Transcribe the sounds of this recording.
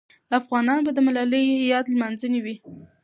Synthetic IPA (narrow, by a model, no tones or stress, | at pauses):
afɣɑnɑnobad̪əmalaləjihɪjɑd̪lmanzəniwi